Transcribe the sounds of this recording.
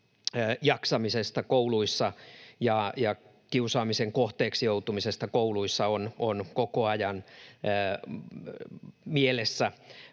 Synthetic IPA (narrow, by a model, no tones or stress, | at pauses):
jɑksɑmisest̪ɑkouluisːɑjɑjɑ | kiusɑːmiseŋkoht̪eːksijout̪umisest̪ɑkouluisːɑononkokoɑjɑnː | mielesːæ